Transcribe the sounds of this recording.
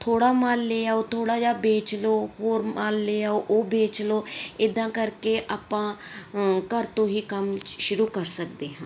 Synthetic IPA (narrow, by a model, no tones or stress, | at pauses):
t̪ʰoːɽaːmaːlːeːaːoːt̪ʰoːɽaːd͡ʒaːbeːt͡ʃloːhoːɾmaːlːeːaːoʔoːbeːt͡ʃloːɪd̪ãːkəɾkeːʔaːpãː | kəɾt̪õːɦiːkəmʃʊɾuːkəɾsək̚d̪eːɦãː